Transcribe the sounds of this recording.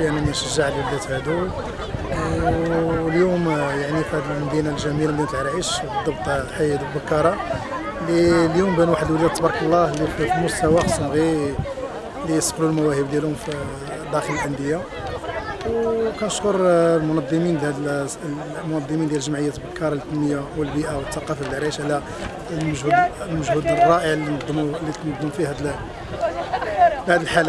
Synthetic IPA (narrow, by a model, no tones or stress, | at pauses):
jæmæninʃəʒːəʕlid̪æt̪hæd̪u | ljumjaʕnifihæd̪əlmæd̪inalʒæmilaməd̪inæt̪əlʕɾʕiʃbd̪ˤːɑbt̪ˤħajæd̪ubəkːɑɾˤɑ | liljumbænwaħəd̪əlwlid̪ɑt̪ːˤbɑɾˤɑkəlˤːɑhliifimʊst̪æwaxsmɣi | lijsˤqlulmæwæhəbd̪jælhʊmfi | d̪æxələlʕənd̪əjːa | wkænəʃkoɾˤlmʊnɑd̪ˤːəmind̪æd̪ | mʊnɑd̪ˤːəmind̪jæləʒəmʕəjːæt̪bəkɑɾˤɑlt̪ːənməjːawəlbiʔawət̪ːɑqːɑfaəlʕɾiʃʕlæ | məʒhud̪lməʒhud̪ərˤːɑʔəʕld̪ulit̪nəd̪ˤːəmfihæd̪ | bhæd̪əlħalæ